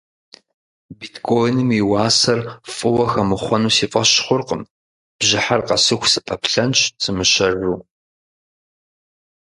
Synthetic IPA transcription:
bitkʰoːjnɨmiwɑːsɐrfʼɨwɐxɐmɨχʷɔnuːsiːfʼɐɕχʷʊrqəm | b̥ʑɪħarqɐsɨxʷsɨpʰʼɐpɬɐnɕt͡sʰʼɨmɨɕɐrːuː

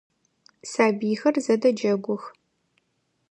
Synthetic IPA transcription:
saːbiːxɐrzɐdɐd͡ʒɐɡʷʊx

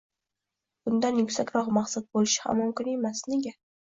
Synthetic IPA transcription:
b̥ʊnd̪anjʊkʲsakʲɾɒqmaqsat̪̚bolɪʃɪ̥ha̰mʊmkʰʲɪne̞masne̞ɡʲa

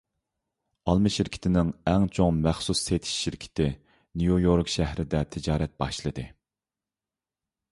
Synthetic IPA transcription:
ɑlˠmɨʃiɾkʲʰɪ̥t̪ʰɪnɪŋɛŋt͡ʃʰoŋmæχsusːet̪ʰi̥ʃːiɾkʲʰɪ̥t̪ʰɪ | nujujoɾkʃæhɾɪd̪ɛt̪ʰɪd͡ʒɑːɾɛt̪̚bɑ̰ʃlˠɨd̪ɨ

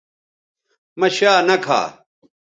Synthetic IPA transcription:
mɐɕaːnɐkʰa̰ː

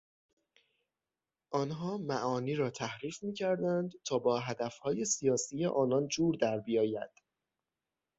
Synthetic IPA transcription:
ʔɒːnɦɒːmæʔɒːniːɾɒːt̪ʰæhɾiːfmiːcʰæɾd̪ænd̪t̪ʰɒːbɒːɦæd̪æfhɒːje̞sijɒːsiːjeʔɒːnɒnd͡ʒuːɾd̪æɾbijɒːjæd̪̥

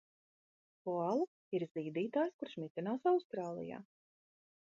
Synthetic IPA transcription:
pualˠu | iɾziːd̪iːt̪aːjskuɾʃmʲit̪ʲinaːsawst̪ɾaːlˠḭja̰ː

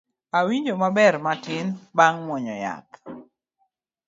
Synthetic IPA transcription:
awiɲd͡ʒomabɛrmatɪnbaŋmwɔɲɔ̰ja̰k

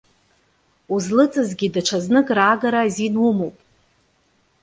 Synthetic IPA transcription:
uzlɨt͡sʼɨzɡʲidaʈ͡ʂʰaznɨkʼraːɡaɾazinumowpʼ

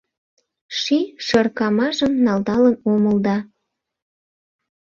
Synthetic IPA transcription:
ʃiʃɤrkɑmɑʒəmnɑld̪ɑlənoməld̪ɑ

